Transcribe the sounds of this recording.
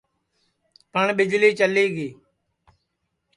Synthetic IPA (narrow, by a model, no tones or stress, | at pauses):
pəɳɓɪd͡ʒliːt͡ʃəliːɡeː